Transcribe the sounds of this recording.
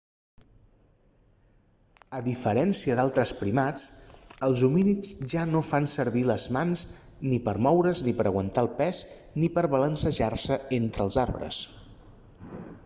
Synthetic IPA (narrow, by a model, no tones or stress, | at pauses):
əðifəɾɛnsiəd̪alˠt̪ɾəspɾimat͡səlˠzuminizʒanofansəɾβiləzmanz | nipəɾmɔwɾəznipəɾəɣwənt̪aəlˠpɛznipəɾβələnsəʒarsəent̪ɾəlˠzarβɾə̰s